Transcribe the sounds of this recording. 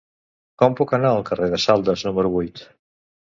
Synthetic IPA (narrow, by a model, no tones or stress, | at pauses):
kɔmpukənaəlˠkəreðəsalˠd̪əznuməɾuβujt̪